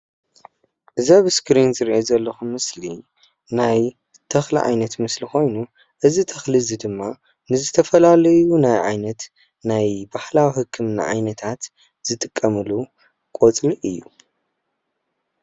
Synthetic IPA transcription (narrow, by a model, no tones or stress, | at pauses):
ʔɨzaβɨskʰɾinzɨɾʔezɐlːɐxumːɨsli | naj | t̪ʰɐxlḭʕa̰jnɐt̪mɨslixo̞jnu | ʔɨzit̪ʰɐxlizid̪ɨmːa | nɨzɨt̪ʰɐfɐlalɐjunajʕa̰jnɐt̪ | najbahlawihɨkʰːɨmnɨʕa̰jnɐt̪ʰat̪ | z̥ɨt̪ʼɨkʼːɐmɨlu | kʼot͡sʼliʔɨjːu